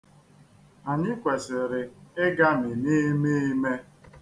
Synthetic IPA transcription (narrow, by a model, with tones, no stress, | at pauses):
a˨ɲɪ˦kʷe˨sɪ˨ɾɪ˨ɪ˦ɡa˦mɪ˨ne˦me˦i˦me˦